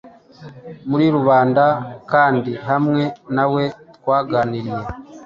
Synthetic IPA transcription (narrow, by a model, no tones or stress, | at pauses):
muɾiɾuβaːndakaːndiɦamŋe̞nawe̞twaːɡaːniɾije̞